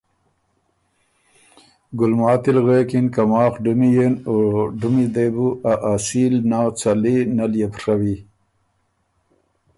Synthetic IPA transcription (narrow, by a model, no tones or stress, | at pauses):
ɡʊlmɑːt̪ilɣekinkamɑːχɖumijenoɖumid̪ebuʔaʔasilnawt͡salinaljepʂawi